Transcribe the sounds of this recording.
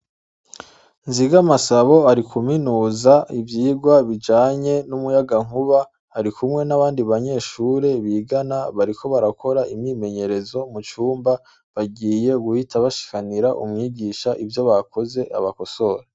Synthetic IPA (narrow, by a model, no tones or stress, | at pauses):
nziɡamasaβo̞aɾikʰuminuːzaivjiːɡwaβid͡ʒaːɲe̞numujaɡaŋ̥huβa | haɾikumŋe̞naβaːndiβaɲe̞ːʃuːɾe̞βiːɡanaβaɾikʰo̞βaɾako̞ɾaʔimɲiːme̞ɲe̞ɾe̞zo̞mut͡ʃuːmba | βaɡiːje̞ɡuhitaβaʃi̥kaniɾaʔṵmŋiːɟiːʃaʔivjo̞βako̞ze̞ʔa̰βako̞so̞ɾe